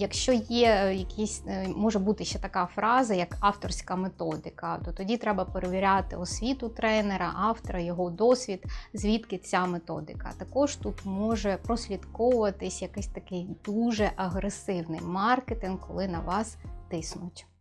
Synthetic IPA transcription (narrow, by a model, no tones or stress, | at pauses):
jɐkʃt͡ʃɔjɛjɐkʲʰisʲmɔʒɛbut̪ɪʃt͡ʃɛt̪ɐkɑfɾʔɑzɐjɐkɑwt̪ɔrsʲkɐmet̪ɔd̪ɪkɐt̪ɔt̪ɔdʲit̪ɾɛbɐpeɾeʋʲiɾʲɑt̪ɪ̰ɔsʲʋʲit̪ʊt̪ɾɛneɾɐ̰ʔɑwt̪ɔɾɐjɔɦɔd̪ɔsʲʋʲid̪zʲʋʲit̪kɪt͡sʲamet̪ɔ̰d̪ɪ̰kɐ̰t̪ɐkɔʒt̪ut̪mɔʒɛpɾɔsʲlʲid̪kɔwʊʋɐt̪ɪsʲjɐkɪsʲt̪ɐkɪjd̪uʒɛʔɐɦɾesɪwnɪ̰jmɑrket̪ɪnkʰːɔlˠɪnɐʋɑst̪ɪsnʊtʲ